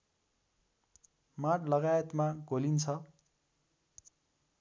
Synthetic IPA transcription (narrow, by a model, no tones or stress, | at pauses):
maʈʰlʌɡajet̪maɡolint͡sʰʌ